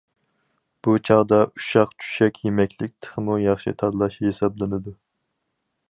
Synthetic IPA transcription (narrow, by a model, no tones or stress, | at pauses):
b̥ut͡ʃʰɑʁd̪ɑuʃɑqt͡ʃʰy̥ʃɛkʲʰjemɛkʲʰlɪk̚ʲt̪ʰə̥ʁmujɑχʃḭt̪ʰɑd̪lˠɑʃhesɑblˠɨnɨd̪u